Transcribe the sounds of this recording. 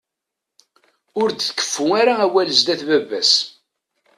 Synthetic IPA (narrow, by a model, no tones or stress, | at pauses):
ʊɾd̪θkːə̥fːʊæɾaæwæləzd̪æθbævːæs